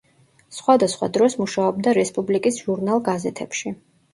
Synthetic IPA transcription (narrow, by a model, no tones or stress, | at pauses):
sχwad̪asχwa̰d̪ɾɔsmuʃaɔbd̪aɾɛspʼublikʼisʒuɾnalˠɡazɛt̪ʰɛpʃi